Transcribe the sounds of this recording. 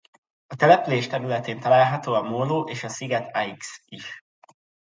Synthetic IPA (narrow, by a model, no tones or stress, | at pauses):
ɒt̪ɛlɛpyleːʃt̪ɛɾylɛt̪eːnt̪ɒlaːlɦɒt̪oːɒmoːloːʔeːʃɒsiɡɛt̪ʰaiksiʃ